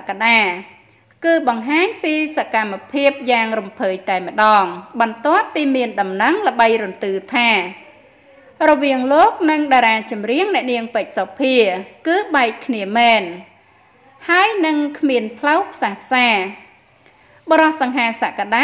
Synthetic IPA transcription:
kaɗaː | kɨːɓɑŋɦaːɲpiːsakamːapʰiəp̚jaːŋrumpʰəːjt̪aɛmə̆ɗɑːŋɓɑnt̪ŏəpːiːmiənɗɑmnəŋlə̆ɓəjrunt̪ɨːt̪ʰaː | rɔʋiəŋloːk̚nɨŋɗaːɾaːt͡ɕɑmriəŋnɛ̆əʔniəŋpɨc̚sɑpʰiəkɨːɓaɛkkʰniəmɛːn | haəjnɨŋkʰmiənpʰləwpʰsaːhpʰsaː | ɓoɾɑhsɑŋɦaːsaʔkaɗaː

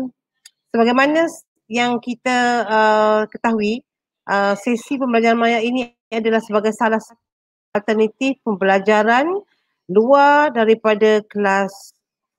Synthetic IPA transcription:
səbaɡajmanã | jaŋkit̪aəkət̪aɦui | ʔəsesipəmbəlad͡ʒaɾanmajaʔini | adalahsəbaɡajsalahsa | alt̪ərnat̪ifpəmbəlad͡ʒaɾan | luadaɾipadakəlas

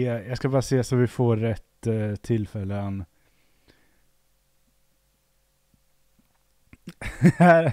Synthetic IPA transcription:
jɑɡskabɑːɾaseːsɔmvɪfoːɛt̪ːt̪ʰːɪlːfɛlːən | æ

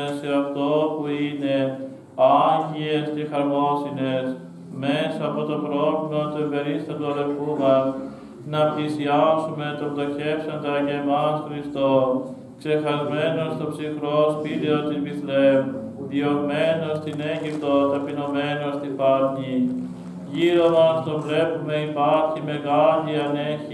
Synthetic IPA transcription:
seɐft̪o̞puine̞ | ɐɲɟie̞sce̞xɐɾmo̞sine̞s | mesɐːpo̞t̪o̞pɾovlimɐt̪uevbeɾist̪ɐt̪uɐðeɾfumɐs | nɐplisiɐpsume̞t̪o̞mðoçe̞psɐnd̪ɐceːmɐsxɾist̪o | kse̞xɐzme̞no̞st̪o̞psixɾo̞spiɾeot̪izmiθlem | ðiome̞nost̪ine̞ɲɟipt̪o̞t̪ɐpino̞me̞nost̪ipɐɾɲi | ʝiɾo̞mɐst̪o̞vle̞pume̞ipɐɾçime̞ɣɐliɐneçi

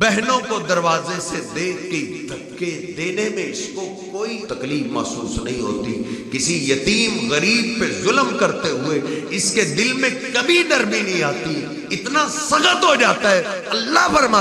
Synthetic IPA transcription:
bɛɦnõkod̪ɐɾʋaːzesed̪eːkkeid̪ʱɐ | kːed̪eːnemẽɪskokoːit̪ɐkliːbmɐ̰ːsuːsnɐɦĩɦo̰ːt̪ikɪsijɐt̪iːmɣɐɾiːb̚pezʊlmkɐɾt̪eɦʊeɪsked̪ɪlmẽkɐbʱinɐɾminɐɦĩaːt̪i | ɪt̪nasɐɣət̪ɦod͡ʒaːt̪aɦɛː | ɐlːaɦpɐɾma

